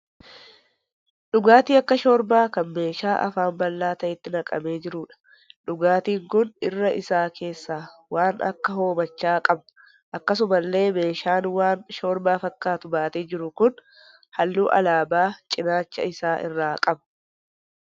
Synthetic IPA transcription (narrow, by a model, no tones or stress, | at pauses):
ᶑʊɡaːt̪iːɐkːɐʃo̞ːɾbaːkɐnme̞ːʃaːʔɐ̰faːmbɐlːaːt̪ɐʔɪt̪ːɪnɐkʼɐme̞ːd͡ʒɪɾʊːᶑɐ̥ | ᶑʊɡaːt̪iːŋkʊnɪrːɐʔɪsaːkʰe̞ːsːaːwaːnʔɐ̰kːɐɦo̞ːmɐt͡ʃːaːkʼɐbɐ | ʔɐkːɐs̬ʊmɐlːe̞ːme̞ːʃaːnwaːnʃo̞ːɾbaːfɐkːaːt̪ʊbaːt̪eːd͡ʒɪɾʊkʊn | hɐlːuːʔɐ̰laːbaːt͡ʃʼɪnaːt͡ʃːɐ̰ɪsaːʔɪ̰rːaːkʼɐb